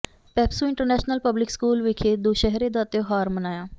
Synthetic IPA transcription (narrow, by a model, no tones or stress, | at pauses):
pɛːpsuːɪɳʈəɾnɛːʃnəlpəblɪkskuːlʋɪkʰeːd̪oːʃɛɦɾẽːd̪aːt̪oːɦaːɾmənaːjãː